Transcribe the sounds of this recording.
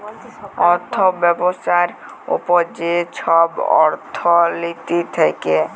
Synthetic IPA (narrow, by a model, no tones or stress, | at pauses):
ɔɾt̪ʰobɛbosaɾ | ṵpod͡ʑeʃʰɔbɔ̰ɾt̪ʰolit̪it̪ʰeke